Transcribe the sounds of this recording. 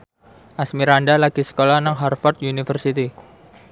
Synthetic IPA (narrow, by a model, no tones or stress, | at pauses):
ʔasmiɾandalaɡ̥isə̥kolahnaŋɦarfɔrt̪junifərsit̪i